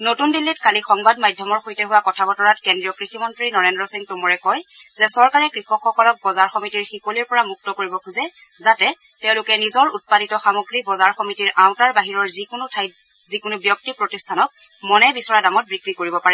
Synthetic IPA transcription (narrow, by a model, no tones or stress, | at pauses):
notundilːitkalixɔŋbadmajdʱjɔmɔɹxojtɛɦʊwakɔtʰabɔtɔɹatkendɹijɔkɹiximɔntɹinɔɹendɹɔsiŋtʊmɔɹɛkɔjz̥ɛsɔɹkaɹɛkɹixɔxɔkɔlɔk̚bɔzaɹxɔmitiɹxikoliɹpɔɹamuk̚tɔkoɹibɔkʰuzɛ | zatɛ | tɛʊ̃lʊkɛnizɔɹut̚paditɔxamoɡɹibɔzaɹxɔmitiɹaw̃taɹbaɦiɹɔɹzikʊnʊtʰaj | zikʊnʊbjɔk̚tipɹotistʰanɔk̚ | mɔnɛbisɔɹadamɔt̚bikɹikoɹibɔpaɹɛ